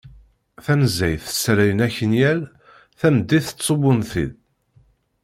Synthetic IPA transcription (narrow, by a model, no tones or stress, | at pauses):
θæmzæjθə̥sɾæjənæçənjæl | θæmd̪ːiθə̥t͡sːt͡sˤːowʊnθḭð